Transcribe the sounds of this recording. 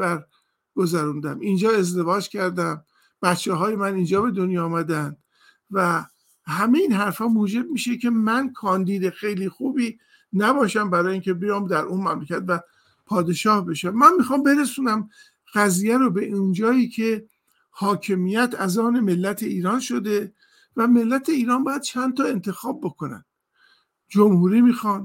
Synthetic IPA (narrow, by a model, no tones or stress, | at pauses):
æɾ | ɡ̥ozæɾund̪æmind͡ʒɒːe̞zd̪e̞vɒːd͡ʒcʰæɾd̪æm | b̥æt̪t͡ʃʰeɦɒːje̞mænind͡ʒɒːbe̞d̪onjɒːmæd̪ænd̪̥ | væ | hæme̞jiːnɦæɾfhɒːmuːd͡ʒe̞b̚miːʃecʰe̞mænkʰɒːnd̪iːd̪e̞xe̞jliːxuːbiː | næbɒːʃæmbæɾɒːjeiːŋcʰe̞bejɒːmd̪æɾʔunmæmlecʰæt̪væ | pʰɒːd̪e̞ʃɒːhbe̞ʃæmːænmiːxɒːmbe̞ɾesuːnæm | ɣ̥æziːjæɾobe̞ʔind͡ʒɒːjiːcʰe̞ | hɒːcʰe̞mijæt̪ʰæzɒːne̞me̞lːæt̪ʰe̞iːɾɒːnʃo̞d̪e | væme̞lːæt̪ʰe̞iːɾɒːnbɒːjæd̪̥̚t͡ʃʰænt̪ʰɒːe̞nt̪ʰe̞xɒːb̚ːo̞ko̞næ̰n | d͡ʒomhuːɾiːmiːxɒːn